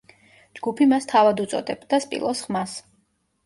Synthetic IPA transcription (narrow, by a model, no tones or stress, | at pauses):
d͡ʒɡupʰimast̪ʰavad̪ut̪sʼɔ̰d̪ɛbd̪aspʼḭlˠɔsχmas